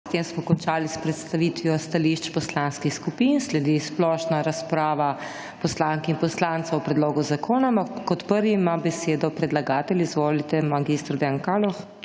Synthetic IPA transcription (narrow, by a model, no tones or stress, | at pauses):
t̪emsmɔkɔnt͡ʃaːlispɾɛt̪st̪aʋit̪ʋjɔst̪aliʃt͡ʃpɔslanskixskupinslɛd̪isplɔʃnaɾaspɾaːʋa | pɔslaŋkɛinpɔslant̪sawpɾɛd̪loːɡuzakʰoːnaampakːɔt̪pəɾʋimabɛseːd̪ɔpɾɛd̪laɡaːt̪ɛlizʋoːlit̪ɛmaɡist̪ɾd̪ɛjankalɔx